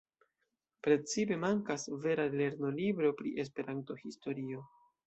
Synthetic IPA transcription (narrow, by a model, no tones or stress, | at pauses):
pɾe̞t͡sipe̞maŋkasve̞ɾale̞ɾno̞libɾo̞pɾḭʔe̞s̬pe̞ɾʔanto̞histo̞ɾio̞